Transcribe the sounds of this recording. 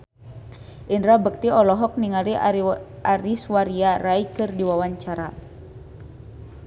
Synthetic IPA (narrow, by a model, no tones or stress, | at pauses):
ʔindɾabək̚t̪iɔlɔɦɔk̚niŋaɾi | aɾiswaɾiaraikɨrdiwawaɲt͡ʃaɾa